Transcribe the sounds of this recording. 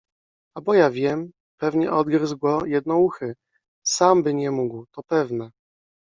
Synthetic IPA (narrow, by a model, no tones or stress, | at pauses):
abɔjavʲjɛm | pɛvɲɛʔɔd̪ɡɾzɡɔjɛd̪̚nɔuxɘ | sambɘɲɛmuɡwt̪ɔpɛvnɛ